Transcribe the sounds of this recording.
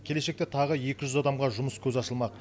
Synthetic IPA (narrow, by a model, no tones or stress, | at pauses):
kʲʰe̞le̞ʃe̞k̚t̪e̞t̪ʰɑʁəje̞kʲɪʒʏzɑd̪ɑmʁɑʒʊməskʲʰɵzɑsəlˠmɑq